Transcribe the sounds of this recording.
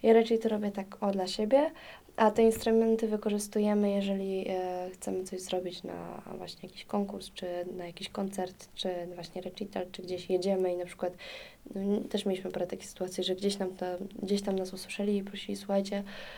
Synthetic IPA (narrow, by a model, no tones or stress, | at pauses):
jaɾat͡ʂɛjt̪ɔɾɔbʲjɛt̪akɔd̪laɕebʲjɛ | ʔat̪ɛinst̪ɾumɛnt̪ɘvɘkɔʐɘst̪ujɛmɘjɛʐɛlʲixt̪sɛmɘt̪sɔʑzɾɔbʲit͡ɕna̰vwa̰ɕɲɛjakʲi̥ɕkɔŋkuɾst͡ʂɘnajakʲiɕkɔnt̪sɛɾt̪t͡ʂɘvwaɕɲɛɾɛt͡ʂit̪ɛlt͡ʂɘɡd͡ʑeɕjed͡ʑɛmɘinapʂɘ̥kwat̪nɔt̪ɛʂmʲelʲiɕmɘpɾat̪akʲe̥xsɘ̥t̪uwat̪sʲjiʐɛɡd͡ʑeɕt̪amt̪ɔɡd͡ʑeɕt̪amnasuswɘ̥ʂɛlʲiːpɾɔɕilʲisuxajt͡ɕɛ